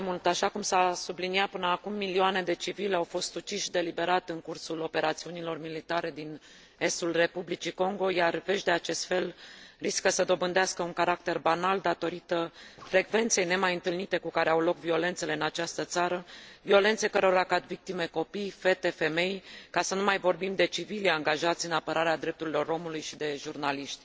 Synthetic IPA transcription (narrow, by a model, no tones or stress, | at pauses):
mult̪aʃakumsasubliniat̪̚pɨnəakumːilioane̞d̪e̞t͡ʃivileawfo̞st̪ut͡ʃiʃid̪e̞libe̞ɾat̪ɨŋkursulo̞pe̞ɾat̪siunilo̞rmilit̪aɾe̞d̪in | e̞st̪ulre̞publit͡ʃiko̞ŋɡo̞jarve̞ʃd̪e̞at͡ʃe̞st̪fe̞lriskəsəd̪o̞bɨnd̪easkəuŋkaɾak̚t̪e̞rbanald̪at̪o̞ɾit̪əfɾe̞ɡve̞nt̪se̞jne̞majɨnt̪ɨlnit̪e̞kukaɾe̞awlo̞kvio̞le̞nt̪se̞le̞ɨnat͡ʃast̪ət̪saɾəvio̞le̞nt̪sejkəɾoɾakat̪vik̚t̪ime̞ko̞pijfe̞t̪e̞fe̞me̞jkasənumajvo̞rbimd̪e̞t͡ʃivilaŋɡaʒat̪sʲɨnapəɾaɾead̪ɾe̞p̚t̪uɾilo̞ɾo̞mulujʃid̪e̞ʒurnaliʃt̪ʲ